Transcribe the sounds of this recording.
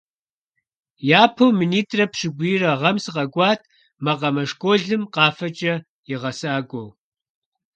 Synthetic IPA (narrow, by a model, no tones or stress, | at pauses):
jaːpʰowminiːtʰʼrɐpʂɪɡʷiːrɐʁɐmsɨqʼɐkʷʼɑːtʰ | mɐqɐmɐʂkʷʼoːɮɨmqɑːfɐt͡ʃʼɐ | jɪʁɐsaːkʷʼow